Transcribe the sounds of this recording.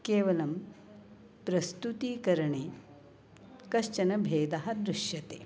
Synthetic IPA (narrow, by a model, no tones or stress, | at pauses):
keːʋɐlɐm | pɾɐst̪ut̪iːkɐɾɐɳeː | kɐʃt͡ʃɐnɐbʱeːd̪ɐɦɐ̆d̪ɾuʃjɐt̪eː